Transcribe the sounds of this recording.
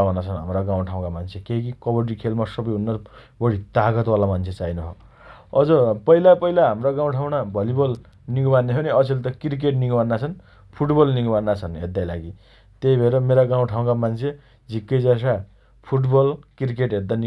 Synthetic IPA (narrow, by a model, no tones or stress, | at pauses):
anat͡sʰʌnɦa̰mraɡãw̃ʈʰaw̃kamant͡sʰekeikikʌbʌrʈ̬ikʰelmasʌbʌjɦunːʌr | bʌɽit̪aɡʌt̪walamant͡sʰet͡sajnʌɦo̰ | ʌd͡zʌpʌilapʌɦilaɦamraɡãw̃ʈʰaw̃nabʱʌlibʌl | niŋɡbanːeɦʰʌniʌsʰilt̪ʌkiɾik̬eʈniŋɡbanːat͡sʰʌn | pʰuʈbʌlniŋɡbanːat͡sʰʌnɦḛd̪ːajlaɡi | t̪ejbʱʌeɾʌmeɾaɡaw̃ʈʰaw̃kamant͡sʰe | d͡zʱikːʌjd͡zas̬a | pʰuʈbʌlkirkeʈɦed̪ani